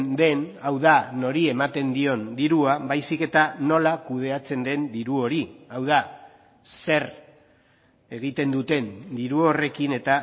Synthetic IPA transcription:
nd̪e̞nawðano̞ɾie̞mat̪e̞nd̪io̞nd̪iɾuaβajsike̞t̪ano̞lakuð̞e̞at͡se̞nd̪e̞nd̪iɾuo̞ɾiawð̞a | se̞r | e̞ɣ̞it̪e̞nd̪ut̪e̞nd̪iɾuo̞re̞kine̞t̪a

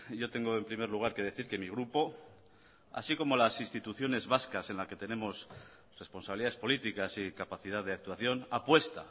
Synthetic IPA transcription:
ɟ͡ʝo̞t̪e̞ŋɡoempɾime̞ɾluɣ̞aɾke̞ð̞e̞θiɾke̞miɣ̞ɾupo̞ | a̰siko̞mo̞lasinst̪it̪uθjo̞ne̞zβaskase̞nlake̞t̪e̞ne̞mo̞s | re̞spo̞nsaβiliðaðespo̞lit̪ikasikapaθið̞aððeak̚t̪uwaθjo̞napwe̞st̪a̰

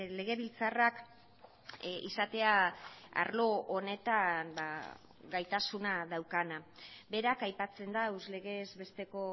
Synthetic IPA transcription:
le̞ɣe̞βilt͡sarak | ḭsat̪e̞aa̰ɾlo̞one̞t̪amba̰ | ɡajt̪asunaðawkanabe̞ɾakajpat͡se̞nd̪auzle̞ɣe̞zβe̞st̪e̞ko̞

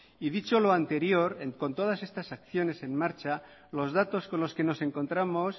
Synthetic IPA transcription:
ið̞it͡ʃo̞loant̪e̞ɾjo̞ɾenko̞nt̪o̞ð̞ase̞st̪asakθjo̞ne̞se̞nmaɾt͡ʃa | lo̞zðat̪o̞sko̞nlo̞ske̞no̞se̞ŋko̞nt̪ɾamo̞s

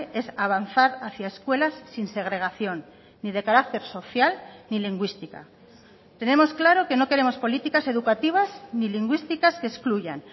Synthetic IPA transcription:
e̞saβ̞anθaɾaθjaeskwe̞lasːinse̞ɣ̞ɾe̞ɣ̞aθjo̞nː | iðe̞kaɾak̚t̪e̞ɾso̞θjalniliŋɡwist̪ika̰ | t̪e̞ne̞mo̞sklaɾo̞ke̞no̞ke̞ɾe̞mo̞spo̞lit̪ikase̞ðukat̪iβ̞azniliŋɡwist̪ikaskeskluʝa̰n

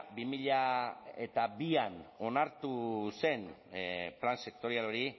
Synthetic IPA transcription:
bimiʎae̞t̪abiano̞naɾt̪use̞n | planse̞kt̪o̞ɾialo̞ɾi

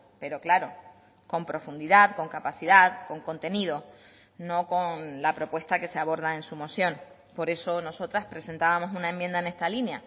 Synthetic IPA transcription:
pe̞ɾo̞klaɾo̞ | ko̞mpɾo̞fund̪iðaðko̞ŋkapaθiðaðko̞ŋko̞nt̪e̞nið̞o̞ | no̞ko̞ŋnlapɾo̞pwe̞st̪ake̞seaβ̞o̞ɾð̞aensumo̞sjõ̞n | po̞ɾe̞so̞no̞so̞t̪ɾaspɾe̞se̞nt̪aβamo̞sunaemːjend̪aene̞st̪alinja

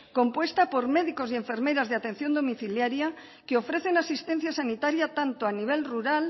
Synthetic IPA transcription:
kompwe̞st̪apo̞ɾme̞ðiko̞zie̞ɱfe̞ɾme̞ɾazðeat̪ẽ̞n̟θjo̞nd̪o̞miθiljaɾja | keo̞fɾe̞θe̞nasist̪e̞n̟θjasanit̪aɾjat̪ant̪oaniβ̞e̞lruɾal

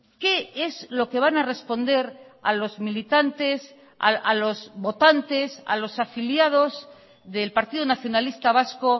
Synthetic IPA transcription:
ke̞ezlo̞ke̞β̞anare̞spo̞nd̪e̞ɾalo̞zmilit̪ant̪e̞s | a̰alo̞zβo̞t̪ant̪e̞sa̰lo̞safiljað̞o̞z | ðelpaɾt̪iðonaθjo̞nalist̪aβ̞asko̞

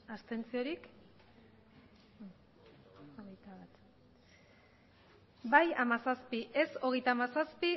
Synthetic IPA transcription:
ast̪e̞nt͡sio̞ɾik | oɣejt̪aβat̪ | bajamasaspiʔe̞so̞ɣe̞jt̪amasaspi

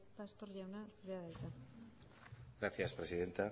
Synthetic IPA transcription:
past̪oɾʝawnakɾeaðajt̪a | ɡɾaθjaspɾesiðe̞nt̪a

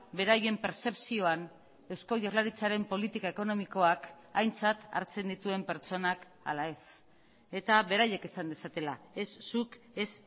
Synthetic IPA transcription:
be̞ɾaje̞mpe̞ɾse̞psio̞an | e̞wsko̞ʝorlaɾit͡saɾe̞mpo̞lit̪ikaeko̞no̞miko̞ak | ajnt͡sat̪a̰ɾt͡se̞nd̪it̪ue̞mpe̞ɾt͡ʃo̞nak | a̰lae̞s | e̞t̪aβe̞ɾaje̞ke̞sand̪e̞sat̪e̞la̰esːuk | e̞s

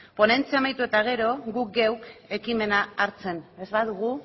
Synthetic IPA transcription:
po̞ne̞nt͡siamajt̪ue̞t̪aɣ̞e̞ɾo̞ɣuk̚ɡewke̞kime̞naːɾt͡se̞nezβaðuɣ̞u

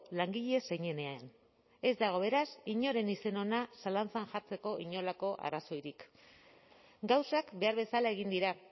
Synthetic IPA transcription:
laŋɡiʎe̞se̞ɲe̞ne̞aen | e̞zd̪aɣ̞o̞βe̞ɾasiɲo̞ɾe̞nise̞no̞nasalant͡sanʝaɾt͡se̞ko̞ʔiɲo̞lako̞ʔa̰raso̞jɾik | ɡawsakbe̞aɾβe̞salae̞ɣind̪iɾa

